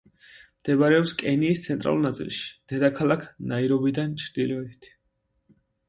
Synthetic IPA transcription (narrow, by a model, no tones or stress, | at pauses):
md̪̥ɛbaɾɛɔpskʼɛniːst̪sʰɛnt̪ʼɾa̰lulˠnat̪sʼḭlˠʃi̥d̪̥ɛd̪akʰalˠakʰnaiɾɔbid̪ant͡ʃʰɾd̪̥ilɔɛit̪ʰ